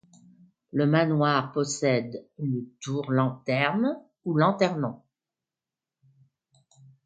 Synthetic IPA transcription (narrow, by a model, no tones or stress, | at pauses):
ləmanwaʁpɔsɛd̪lət̪uʁlɑ̃t̪ɛʁn | ulɑ̃t̪ɛʁmɑ̃